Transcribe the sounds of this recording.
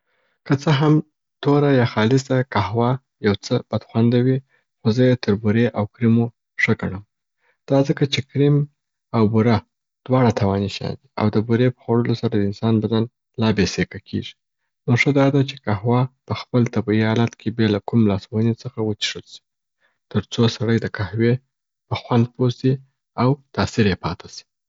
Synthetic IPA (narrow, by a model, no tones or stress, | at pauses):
kət͡səɦam | t̪oɾajɑxɑlɪsakahwɑ | jawt͡səb̥ad̪̥xwand̪awi | xozəjet̪ʰəɾbuɾeʔawkɾimo | ʂəɡaɳəm | d̪̥ɑzəkat͡ʃekɾim | awbuɾa | d̪̥wɑɽat̪ʰawɑniʃɑ̰d̪ia̰wd̪əbuɾepə̥xwaɽəlosaɾad̪əɪnsɑnbad̪an | lɑbesekakʰḛʐi̥ | noʂəd̪ɑd̪at͡ʃekaɦwɑpəxpəlt̪abiɦɑlat̪kʰebelakumlɑswhənit͡səxawət͡ʃ̪i̥ʂəlʃi̥ | t̪əɾt͡sosaɽəjd̪əkahwe | pəxwand̪̚posi | awt̪ɑsiɾjepɑt̪ʰḁsi̥